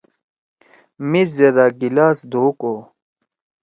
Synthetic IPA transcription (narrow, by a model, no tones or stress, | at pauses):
miszɐd̪aɡilaːsd̪ʱoːko